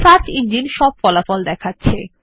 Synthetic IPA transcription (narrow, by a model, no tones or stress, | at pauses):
saɾt͡ɕiɲd͡ʑinʃɔb̚fɔlafɔld̪ɛkʰatːɕʰe